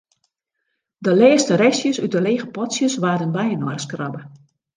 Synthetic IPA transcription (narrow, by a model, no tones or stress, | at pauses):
dəlɛːstəɾɛsjəsyt̚dəleːɣəpɔtsjəsʋaːdənbɛjənɔrskrɔbə